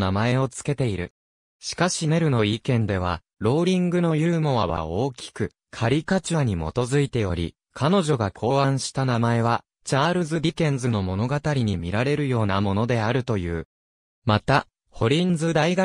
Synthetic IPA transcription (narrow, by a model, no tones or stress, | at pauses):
namae̞o̞t͡sɨ̥ke̞t̪e̞iɾɯ̟̰ | ɕi̥kaɕine̞ɾɯ̟no̞ikẽ̞nd̪e̞β̞a̰ | ɾo̞ːɾʲĩŋɡɯ̟no̞jɯ̟ːmo̞βa̰βa̰o̞ːkʲi̥kɯ̟ | kʰaɾʲikat͡ɕiβaɲ̟imo̞̰t̪o̞zɨit̪e̞jo̞ɾʲḭ | kʰano̞ʑo̞ɡakʰo̞ːhãɰ̃ɕi̥t̪anamae̞βa | t͡ɕaːɾɯ̟zɨbʲikẽ̞nzɨno̞mo̞no̞ɡat̪aɾʲiɲ̟imʲiɾaɾe̞ɾɯ̟jo̞ːnamo̞no̞d̪e̞aɾɯ̟t̪o̞jɯ̟ː | mat̪a | ho̞ɾʲĩnd͡zɨd̪aiɡa